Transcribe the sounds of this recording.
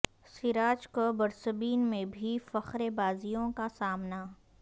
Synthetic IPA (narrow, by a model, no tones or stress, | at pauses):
sɪɾaːd͡ʒkobɐɾsəbiːnmẽbʱifɐxɾebaːzijõkasaːmna